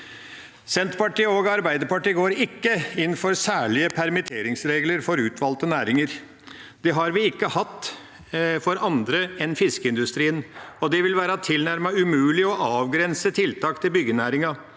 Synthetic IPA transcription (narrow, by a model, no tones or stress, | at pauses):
sɛnt̪pɑʈiːoːɡɑɾbæɪd̪əɾpɑʈiːɡoːɾɪkːəɪnːfɔɾsæːɭɪəpʰæɾmɪt̪ʰeːɾɪŋsɾeːɡləɾfɔɾʉːt̪ʰʋɑlt̪ənæːɾɪŋəɾ | d̪̥ɛɦɑɾʋɪɪkːəhɑt̪ː | fɔɾɑnd̪ɾəɛnfɪskəɪnd̪ʉst̪ɾiːənɔd̪ɛʋɪlʋæːɾɑt̪ʰɪlnæɾmɑʉmʉːlɪɔʔɑːʋɡɾɛnsət̪ʰɪlt̪ʰɑːkt̪ʰɪlbʏɡːənæːɾɪŋɑ